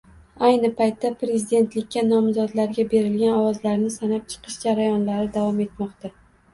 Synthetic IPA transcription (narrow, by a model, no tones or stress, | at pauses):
ajnɪpʰajt̪ːapɾe̞zid̪e̞nt̪lɪkʲːanɒmzɒd̪laɾɡʲabe̞ɾɪlɡʲanɒwɒzlaɾnɪsanap̚t͡ʃʰɨ̥qʰɨʃd͡ʒaɾajɒnlaɾɪd̪avɒme̞t̪mɒqt̪ʰa